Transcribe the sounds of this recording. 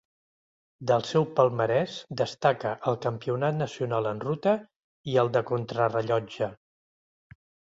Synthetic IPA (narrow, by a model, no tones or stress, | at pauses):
d̪əlˠsɛwpəlˠməɾɛsd̪əst̪akəʔːlˠkəmpiunat̪nəsiunalˠənrut̪ə | iəlˠd̪əkunt̪ɾərəʎɔd͡ʒə